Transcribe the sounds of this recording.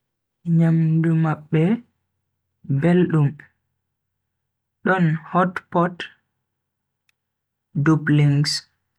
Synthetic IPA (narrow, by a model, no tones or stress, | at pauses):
ɲamdumaɓːɛ | belɗum | ɗɔnhɔtpɔt | dubliŋɡs